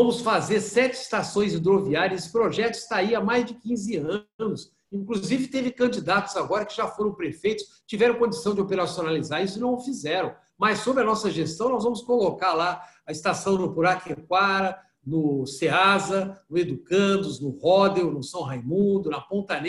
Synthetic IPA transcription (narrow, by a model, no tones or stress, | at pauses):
ɐ̃mʊsfazeɾsɛt͡ʃɪst̪asõj̃zĩd̪ɾoviaɾjɐsɪ̥pɾoʒɛt̪ʊɪ̥st̪aiamajzd͡ʒɪkĩzɪɐ̃nʊs | ĩŋkluzivɪt̪evɪkɐ̃nd͡ʒid̪at̪ʊ̥z̥aɡɔɾɐkɪʒafoɾɐ̃w̃pɾefejt̪ʊ̥s | t͡ʃivɛɾɐ̃w̃kõd͡ʒisɐ̃w̃d͡ʒɪopeɾasionalizaɾisʊɪnɐ̃w̃ʊfizɛɾɐ̃w̃ | mɐsːobɾɪɐnɔsɐʒest̪ɐ̃w̃nɔzvɐ̃mʊskolokaɾla | ɐɪst̪asɐ̃w̃nʊpuɾakekwaɾɐ | nʊseazɐnʊed̪ukɐ̃d̪ʊznʊhɔd̪ewnʊsɐ̃w̃ɦajmũd̪ʊnɐpõnt̪ɐne